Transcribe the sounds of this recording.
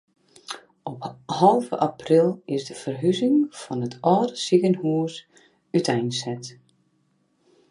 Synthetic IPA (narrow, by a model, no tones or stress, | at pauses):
ɔphɑlˠvə̰ʔaprɪlˠɪsdəfərɦyzɪŋfɔnətʰɔːdəsiɣənhuəs | ytʰɛjnsɛt